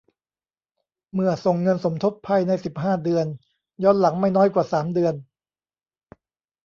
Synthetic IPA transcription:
mɯ˨˩əso˨˩ŋːɤ˧nso˩˦mt̪ʰo˦˥t̪̚pʰa˧jna˧jsi˨˩p̚ɦaː˥˩dɯ˧ən | jɔː˥nla˩˦ŋma˥˩jnɔː˦˥jkwaː˨˩saː˩˦mdɯ˧ən

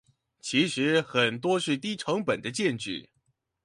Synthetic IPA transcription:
t͡ɕʰi˧˥ʂɻ̩˧˥xə˨˩nt̪wɔ˥ʂɻ̩˥˩t̪i˥ʈ͡ʂʰɤ˧˥ŋpə˨˩nd̪ə˦t͡ɕjɛ˥˧nt͡ɕy˥˩

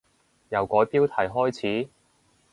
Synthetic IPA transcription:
jɐ˨wkɔː˨˥jpiː˥wt̪ʰɐ˨˩jɦɔː˥jt͡sʰiː˨˥

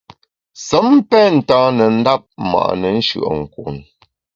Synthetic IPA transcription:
sə˨˦m˦pɛ˦n̩˨taː˦nə˨n̩˦da˦p̚ma̰˨ʔnə˨n̩˦ʃɯ̰˨ʔŋ̩˨kuː˨n

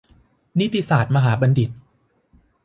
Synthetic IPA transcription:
ni˦˥t̪ːi˧saː˨˩t̪̚ma˧ɦaː˩˦ba˧ndi˨˩t̪̚

